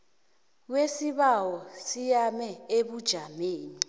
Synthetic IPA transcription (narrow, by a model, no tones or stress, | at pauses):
wesiɓawɔsijamɛeɓud̥ʒ̥ʱameːni